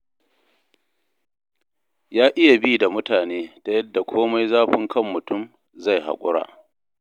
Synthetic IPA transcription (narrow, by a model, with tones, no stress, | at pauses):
jaː˦ʔɪ˦ja˨biː˦da˨mʊ˦taː˨neː˦ta˨jɐ˦dːa˨kʷʰoː˦ma˦jzaː˦ɸɪ˦ŋkʰɐ˦˨mːʊ˨tʊ˦˨m | za˦˨jha̰˨kʷʼʊ̰˦ɽa̰ː˦˨